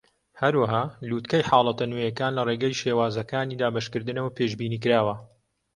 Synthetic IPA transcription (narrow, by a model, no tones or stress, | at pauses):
hɐɾwɐɦaːluːt̪kɐjħɑːlˠɐt̪ɐnujɐkaːnlɐreːɡɐjʃeːwaːzɐkaːniːd̪aːbɐʃkɨɾd̪ɨnɐwɐpʰeʃbiːniːk̬ɨɾaːwɐ